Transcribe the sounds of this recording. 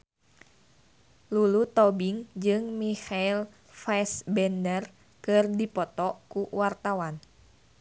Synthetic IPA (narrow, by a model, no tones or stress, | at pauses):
lulut̪ɔbiŋd͡ʒɨŋmihail | fasbɛndər | kɨrdipɔt̪ɔkuwart̪awan